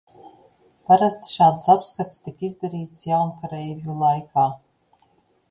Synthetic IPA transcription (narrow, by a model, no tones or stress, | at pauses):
paɾast̪sʃaːt̪sapskat̪st̪ikizd̪aɾiːt̪sjawnkaɾɛjvjulˠajkaː